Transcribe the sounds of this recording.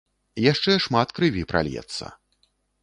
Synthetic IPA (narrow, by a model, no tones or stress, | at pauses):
jaʂt͡ʂɛʂmat̪kɾɨvʲipɾʔa̰lʲjɛ̰t̪sːɐ̰